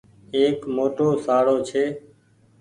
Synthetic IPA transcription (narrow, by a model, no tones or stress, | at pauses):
eːkmoːʈoːsaːɽoːt͡ʃʰeː